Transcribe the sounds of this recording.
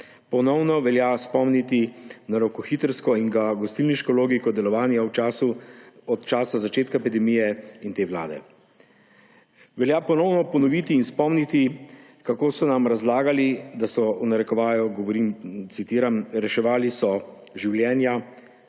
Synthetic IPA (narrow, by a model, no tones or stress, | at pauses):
pɔnɔwnɔʋɛljaspɔmnit̪inaɾokɔxit̪ɾskɔiŋɡaɡɔst̪ilniʃkɔloːɡikɔd̪ɛlɔʋaːnjawasuɔt̪t͡ʃaːsazat͡ʃeːt̪kaepid̪ɛmijɛint̪eːʋla̰ːd̪ɛ̰ | ʋɛljapɔnɔwnɔpɔnɔʋit̪iːnspɔmnit̪i | kakoːsɔnamɾazlaːɡalid̪asɔunaɾɛkɔʋaːjɔɡɔʋɔɾimt̪sit̪iːɾamɾɛʃɛʋaːlisɔʒiwljɛːnja